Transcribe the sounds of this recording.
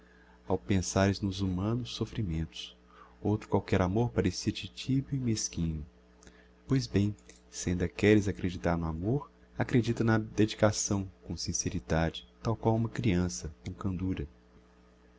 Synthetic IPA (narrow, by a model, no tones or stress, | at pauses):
awpẽsaɾɪznʊzumɐ̃nʊsːofɾimẽnt̪ʊ̥s | owt̪ɾʊ̥kwawkɛɾamoɾpaɾesit͡ʃit͡ʃibʊimeskĩɲʊ | pojzbẽj̃ | sẽnd̪ɐkɛɾɪzakɾed͡ʒit̪aɾnʊamoɾ | akɾed͡ʒit̪ɐnɐd̪ed͡ʒikasɐ̃w̃kõw̃sĩseɾid̪ad͡ʒɪt̪awkwawũmɐkɾiɐ̃sɐkõw̃kɐ̃nd̪uɾɐ